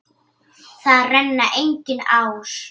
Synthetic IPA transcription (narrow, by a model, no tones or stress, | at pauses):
θaðrɛnːaʔejɲcɪnaːwɾ̥